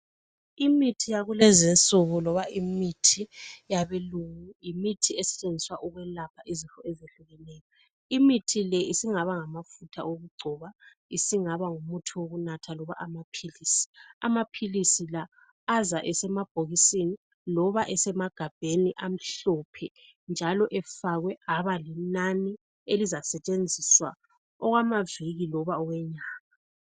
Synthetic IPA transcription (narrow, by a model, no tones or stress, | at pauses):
imitʰijaɣulɛzint͡sʼuɣulɔβaʔimitʰijaβɛluŋujimitʰiesi̥t͡ʃʼend͡zʱiswaʔuɣwɛlapʰaʔizintʼɔɛzeɬuɣɛnɛːjɔ | imitʰilɛisiŋaβaŋamafutʰa̰ʔoɣuɡ͡ǀʱɔβa | isiŋaβaŋumutʰuwoɣunatʰalɔβa̰ʔamapʰiliːsi̥amapʰilisilaː | zaʔɛsɛmab̥ʱoɣisini | lɔβaʔɛsɛmaɡ̥ʱab̥ʱeniʔam̩ɬɔpʰɛ | nd͡ʒʱalɔʔɛfaɣwɛaβalinani | elizasɛt͡ʃʼend͡zʱiswa̰ | ɔɣwamaviɣilɔβaɔɣwɛɲaːŋa